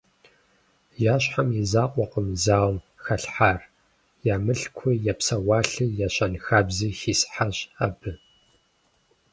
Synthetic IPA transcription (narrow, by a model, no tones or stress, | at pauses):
jaːɕħamizaːqʷʼɔqəmzaːwm | xɐɬħaːr | jaːmɨɬkʷʰʊjapsɐwɑːɬɨjaɕɐnxaːbziːxiːsħaɕa̰bɨ